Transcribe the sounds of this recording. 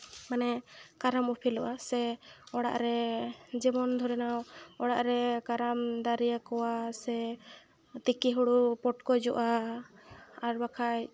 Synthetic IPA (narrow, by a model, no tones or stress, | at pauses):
manɛkaɾamɔpʰilɔʔasɛɔɽa̰ʔɾɛd͡ʒɛbɔnd̪ʱɔɾɛnawɔɽaʔɾɛkaɾamd̪aɾijakɔwasɛ | t̪ikiɦuɽupɔʈkɔd͡ʒɔʔa | ɾbakʰaj